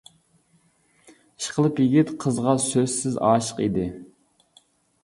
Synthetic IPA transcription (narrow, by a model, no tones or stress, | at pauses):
ʃqʰəlˠɨpjiɡʲit̪qʰəzʁɑsøzsɪzɑ̰ːʃə̥qḭd̪ɪ